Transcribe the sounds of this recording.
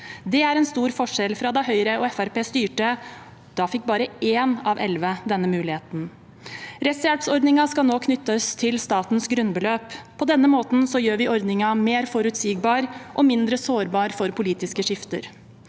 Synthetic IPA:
d̪ɛæɾɛnst̪uːɾfɔʂɛlfɾɑd̪ɛɦœʏɾəɔɛfæɾpeːst̪yːʈə | d̪̥ɑːfɪk̚ːbɑːɾəeːnɑʋʔɛlʋəd̪ɛnːəmʉːlɪheːt̪n̩ | ɾɛsjælpsɔɾɖ̪nɪŋɑskɑlnoːkʰnʏt̪ːəst̪ʰɪlst̪ɑːt̪nsɡɾʉnbəløːpʰːɔd̪ɛnːəmoːt̪n̩sɔjøːɾʋɪɔɾd̪nɪŋɑmeːɾfɔɾʉt̪siːɡ̚bɑːɾʔɔmɪnd̪ɾəsoːɾbɑːɾfɔɾpʰʊliːt̪ɪskəʂɪft̪ə̰ɾ

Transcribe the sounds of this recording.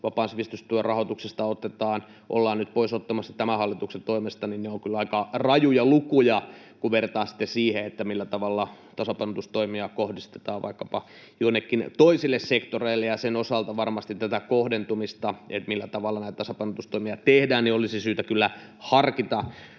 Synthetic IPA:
ʋɑpɑːnsʋist̪yst̪uerɑhot̪uksest̪ɑot̪ːet̪ɑːn | ʔo̰lːɑːnnyt̪poisot̪ːɑmɑsːɑ̥t̪æmæhɑlːit̪ukset̪oimest̪ɑninneoŋkylɑikɑrɑjujɑlukujɑ | kuʋert̪ɑːnsi̥t̪ːesiːheet̪ːæmilːæt̪ɑʋɑlːɑt̪ɑsɑpɑinot̪ust̪oimiɑkohdist̪e̥t̪ɑːʋʋɑ̰ikːɑpɑ | joinːekːint̪oisilːessekt̪oreilːejɑsenosɑlt̪ɑʋɑrmɑst̪it̪t̪ːæt̪ækohdent̪umist̪ɑet̪milːæt̪ɑʋɑlːɑnæit̪t̪ɑsɑpɑinot̪ust̪oimiɑt̪ehdæːnniolisisyːt̪ækylːæ | hɑrkit̪ɑ

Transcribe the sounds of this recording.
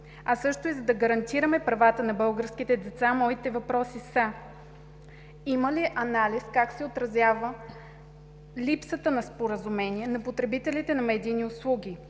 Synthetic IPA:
ɐsɤʃt̪ʊizɐd̪ɐɡəɾɐnt̪iɾəmɛpɾɐvat̪ənɐbɤlˠɡəɾskit̪ɛd̪ɛt̪samɔit̪ɛvɐpɾɔsisa | iməliʔɐnaliskaksɛot̪ɾɐzʲjavə | lipsət̪ənɐspoɾəzʊmɛniɛnɐpot̪ɾɛbit̪ɛlit̪ɛnɐmɛd̪iːniʊslˠuɡʲi

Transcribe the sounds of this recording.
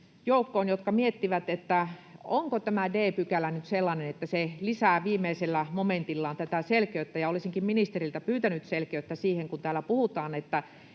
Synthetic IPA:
joˑukːoːnjot̪kɑmiet̪ːiʋæt̪et̪ːæoŋkot̪æmædeːpykælænyt̪selːɑnenet̪ːæselisæːʋiːmːeiselːæmoment̪ilːɑːnt̪æt̪æselkeøt̪ːæjɑolisiŋkimminist̪erilt̪æpyːt̪ænyt̪selkeøˑt̪ːæsiːheŋkunt̪æːlːæpuhut̪ɑːnet̪ːæ

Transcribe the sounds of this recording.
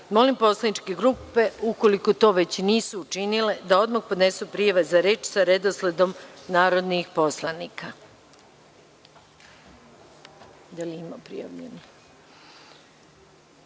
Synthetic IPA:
mo̞limpo̞slˠanit͡ʃke̞ɡɾuːpe̞uko̞liko̞t̪o̞ːʋe̞t͡ɕniːsuːt͡ʃinile̞d̪ao̞d̪maxpo̞d̪ne̞supɾijaʋezaɾe̞ːt͡ʃsaɾe̞d̪osle̞d̪o̞mnaːɾo̞d̪nixpo̞slˠanika | d̪aliimapɾḭja̰ʋʎḛni

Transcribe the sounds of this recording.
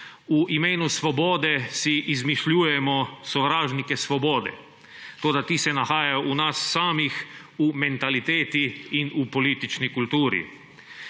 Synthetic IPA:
uʔimeːnusʋɔboːd̪ɛsiʔizmiʃlʲuːjɛmɔsɔʋɾaːʒnikɛsʋɔboːd̪ɛ̰ | t̪oːd̪at̪iːsɛnaxaːjajɔʔunasːaːmix | umɛnt̪alit̪eːt̪iinupɔliːt̪it͡ʃnikult̪uːɾḭ

